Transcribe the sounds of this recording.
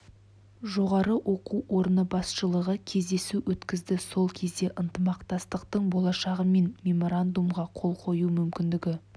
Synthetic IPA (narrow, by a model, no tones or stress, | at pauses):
ʒo̞ʁɑɾəwʔo̞quwʔo̞ɾnəbɑsʃəlˠəʁəkʲʰe̞zd̪e̞suwʔɵt̪kʲɪzd̪ɪso̞lˠkʲʰe̞zd̪e̞ʔənt̪əmɑqt̪ɑst̪əqt̪əɴbo̞lˠɑʃɑʁəme̞nmʲe̞mo̞ɾand̪umʁɑqʰo̞lˠqʰo̞jumʏmkʲɪnd̪ɪɡʲɪ